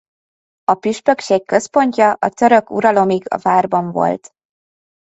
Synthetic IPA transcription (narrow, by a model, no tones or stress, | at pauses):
ɒpyʃpø̞kʃeːkkːø̞spo̞ɲcɒʔɒt̪ø̞ɾø̞kṵɾɒlo̞miɡɒ̰vaːrbɒɱvo̰lt̪